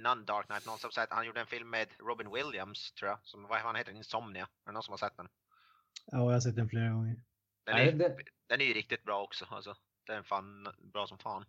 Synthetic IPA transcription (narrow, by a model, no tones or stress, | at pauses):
nɔnd̪ɑːɾknajt̪nɔnsɔmsɛt̪hanjuːɖəɛnfɪlmːeːd̪ɾɔbɪnwɪljamst̪ʰɾuːjasɔmvahanheːt̪əɖɛnɪnsɔmnɪaɛld̪ɛnɔnsɔmhaɾsɛt̪ːd̪ɛn | aːjahas̬ɛt̪̚d̪ɛnfleːɾaɡɔŋːəɾ | d̪̥ɛnɛd̪ɛnɛɾjɵɾɪk̚t̪ɪt̪̚bɾɑːɔksɔa̰lsɔ | d̪̥ɛːɛnfɑːnbɾɑːsɔmfɑːn